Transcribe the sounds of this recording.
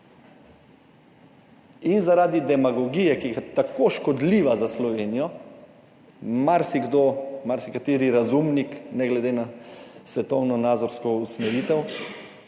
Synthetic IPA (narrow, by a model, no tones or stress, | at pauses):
inzaɾaːd̪id̪ɛmaɡɔɡijɛkiɡat̪akoʃkɔd̪liːʋazaslɔʋeːnijɔ | maɾsiɡd̪oːmaɾsikat̪iːɾiɾazumniknɛɡlɛd̪enasʋɛt̪ɔwnɔnaːd̪zɔɾskɔusmɛɾiːt̪ɛw